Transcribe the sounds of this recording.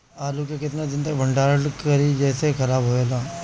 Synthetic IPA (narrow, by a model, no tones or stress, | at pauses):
aːlukekɪt̪nad̪ɪnt̪ɐkbʱɐ̃ɳɖaːɽkɐɾid͡ʒɛːsexʰɐɾaːbɦoelaː